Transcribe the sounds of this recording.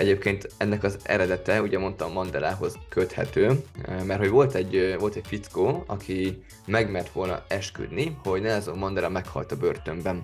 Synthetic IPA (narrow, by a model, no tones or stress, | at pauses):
ɛɟeːp̚keːnt̪ɛnːɛkɒzɛ̰ɾɛd̪ɛt̪ɛuːɟɛmo̞nt̪ɒmːɒnd̪ɛlaːɦo̞zkøt̪hɛ̰t̪øːmɛrt̪ho̞ɟʋo̞lt̪ɛɟvo̞lt̪ɛcfit̪skoːɒkʰi | mɛɡmɛrt̪ʋo̞lnɒ̰ɛʃky̰d̪niho̞ɟnɛɛzomːɒnd̪ɛlɒmɛkhɒ̰lt̪ɒbørt̪ø̞mbɛn